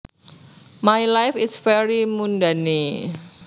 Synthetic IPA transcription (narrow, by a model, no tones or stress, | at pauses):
majlajfɪsfɛɹimundani